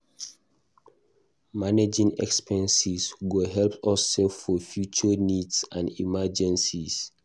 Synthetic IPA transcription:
maned͡ʒĩŋɛ̰kspʰɛ̃nsisɡoɦɛlpɔsɛffɔfjut͡ʃənidsãndḭmad͡ʒɛ̃nsis

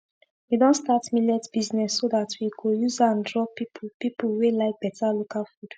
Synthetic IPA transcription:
widɔ̃ntstatmilɛtb̥iznɛsːoðatʰwikojuzãndɹɔpipʰupipuwelaɪk̚b̥ɛtʰalokalfud̥

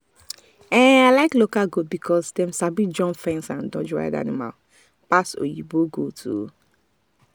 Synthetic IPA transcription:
ɛ̃aɪlaɪklokalɡobikʰɔsdɛ̃msabid͡ʒɔ̃nfɛ̃nsãndɔ̃d͡ʒɹa̰ɪda̰nima̰l | paso̰jiboɡotʰṵ

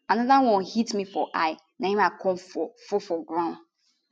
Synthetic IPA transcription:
anɔðawɔ̃nhitmĩfɔʔaɪ | nãhĩmakʰɔ̃mfɔfɔfɔɡɹãʊ̃n

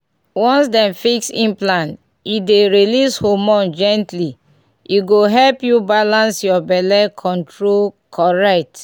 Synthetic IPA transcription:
wɔ̃nsdɛ̃mfiksĩnplãn | ideɹilishomɔ̃nd͡ʒɛ̃ntli | ʔiɡoɦɛlpjubalãnsjɔbɛlɛkʰɔ̃ntɹol | kʰɔɹɛk̚t

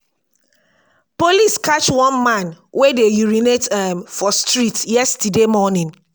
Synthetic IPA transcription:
poliskʰat͡ʃwɔ̃nmãnwedejiɹinetɛmfɔstɹitjɛstidemɔnɪ̃n

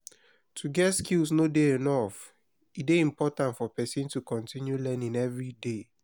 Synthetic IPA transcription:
tʰuɡɛtskilsnodeenɔf | ideĩmpɔtãntfɔpɛsĩntukɔ̃ntʰĩnjulɛnĩŋɛvɹide

